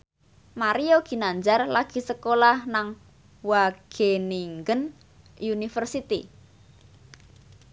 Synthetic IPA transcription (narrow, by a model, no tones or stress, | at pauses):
maɾioɡ̥i̤naɲd͡ʒarlaɡ̥i̤səkolahnaŋ | waɡ̥eniŋɡən | junifərsit̪i